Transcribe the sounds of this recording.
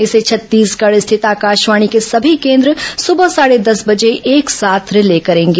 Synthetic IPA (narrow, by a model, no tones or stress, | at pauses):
ɪset͡ʃʰɐt̪ːiːskɐɽst̪ʰɪt̪aːkaːʃʋaːɽ̃ikesɐbʱikẽːnd̪ɾəsʊbəsaːɽed̪ɐsbɐd͡ʒeeːksaːt̪ʰɾɪlekɐɾẽːŋɡeː